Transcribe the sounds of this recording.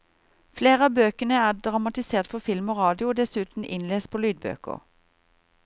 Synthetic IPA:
fleːʁəɑːbøːkənəæːʁd̪ʁɑmɑt̪ɪseːʁt̪fɔʁfɪlmoːʁɑːd̪ɪʊd̪ɛsʉːt̪n̩ʔɪnleːspʰoːlyːd̪̚bø̰ːkə̰ʁ

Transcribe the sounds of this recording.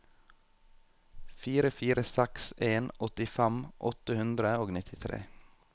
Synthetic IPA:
fiːɾəfiːɾəsɛkseːnʔɔt̪ɪfɛmʔɔt̪əhʉnd̪ɾəoːɡnɪt̪ʰɪt̪ʰɾḛː

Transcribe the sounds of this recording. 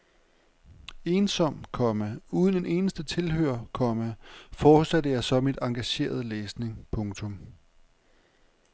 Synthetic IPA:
e̝ːnsɒ̽m̰kʰɒ̽mæuːð̞ˠne̝ne̝ːnəsd̥ət͡sʰe̝lhøɐ̰kʰɒ̽mæfɒ̥ːsæd̥əjɑ̈ɪsɒ̽mid̥ɑ̈ŋɡ̥æɕe̝̰ːɐð̞ˠəleːsne̝ŋpʰɔ̽ŋt͡sʰɔ̽m

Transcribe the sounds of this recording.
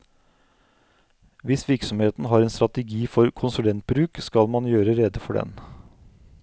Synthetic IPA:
ʋɪsʋɪɾksɔmheːt̪n̩ɦɑːɾɛːnst̪ɾɑt̪əɡiːfɔɾkʰʊnsʉlɛnt̪̚bɾʉːkskɑlmɑnjøːɾəɾɛd̪əfɔɖɛ̰n

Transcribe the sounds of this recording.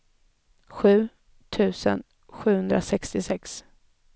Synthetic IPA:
ɧʉ̟ː | t̪ʰʉ̟ːsə̰n | ɧʉ̟ːhɵnd̪ɾasɛkst̪ɪsɛks

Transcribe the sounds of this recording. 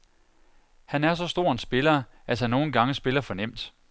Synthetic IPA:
hænæɐs̬ɒ̽sd̥o̝ɐ̰ensb̥e̝lɐæshænːo̝ːn̩ɡ̥ɑ̈ŋəsb̥e̝lɐfɒ̽nem̰d̥

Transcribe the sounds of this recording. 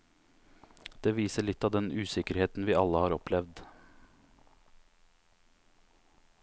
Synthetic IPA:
d̪̥eːʋiːsəɭɪt̪ːɑːʋd̪ɛnʉːsɪkəɾheːt̪n̩ʋiːɑlːəhɑːɾɔplɛʋd̪

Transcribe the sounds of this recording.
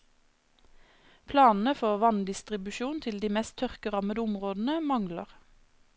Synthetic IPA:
pʰlɑːnn̩əfɔʁʋɑnd̪ɪst̪ʁɪbʉʃuːnt̪ʰɪld̪iːmɛst̪ʰœʁkəʁɑməd̪ʊmʁoːd̪n̩əmɑŋləʁ

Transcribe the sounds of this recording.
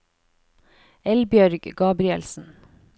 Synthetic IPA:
ɛlbjœɾɡɡɑːbɾɪɛlsn̩

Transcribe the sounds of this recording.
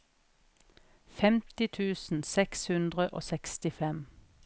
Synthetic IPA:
fɛmt̪ɪt̪ʰʉːsn̩sɛkshʉnd̪ʁəʔo̰ːsɛkst̪ɪfɛm

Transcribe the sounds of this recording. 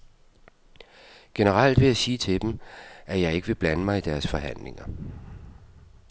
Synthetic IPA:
ɡ̥e̝nəʁɑl̰d̥ʋe̝jasiːt͡sʰe̝d̥emʔæjɑ̈ɪe̝ɡ̥əʋe̝b̥lænəmɑ̈ɪid̥æɐsfɒ̽ɦæn̰le̝ŋɐ

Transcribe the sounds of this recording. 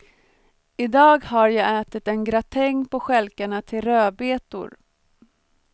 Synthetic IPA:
ɪd̪ɑːɡɦaɾjɑːɡɛːt̪ɪt̪ɛnɡɾat̪ʰɛŋːpɔɧɛlkaɳat̪ʰɪlɾøːbeːt̪ʊ̰ɾ

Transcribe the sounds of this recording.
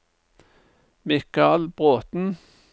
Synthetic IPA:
mɪkɑlb̥ʁoːt̪n̩

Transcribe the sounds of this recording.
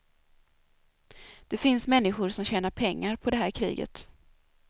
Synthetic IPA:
d̪̥ɛfɪnsmɛnːɪɧʊɾʂɔmɕɛːnaɾpʰɛŋːaɾpʰɔd̪ɛɦæːɾkʰɾḭːɡə̰t̪

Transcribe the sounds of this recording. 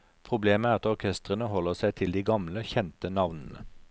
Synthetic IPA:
pʰʁʊbleːməæːʁɑt̪ɔʁkʰɛst̪ʁənəɦɔləʁsæɪt̪ʰɪld̪iːɡɑmləçɛnt̪ənɑʋnən̩ə̰

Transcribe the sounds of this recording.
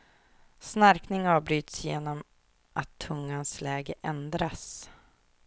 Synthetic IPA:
snaɾknɪŋɑːvbɾyːt̪sjeːnɔm | ʔat̪ʰːɵŋːanslɛːɡəʔɛnd̪ɾas

